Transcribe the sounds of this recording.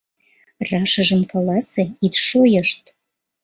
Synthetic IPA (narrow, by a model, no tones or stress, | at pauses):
rɑʃəʒəmkɑlɑseit̪ʃojəʃt̪